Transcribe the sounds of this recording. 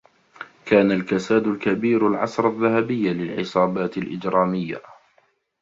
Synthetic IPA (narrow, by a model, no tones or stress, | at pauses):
kaːnalkasaːd̪ʊlkabiːɾalʕɑ̰sɾˤaðːahabɪjːalɪlʕɪsˤɑːbaːt̪ɪlʔɪd͡ʒɾˤɑːmɪjːa̰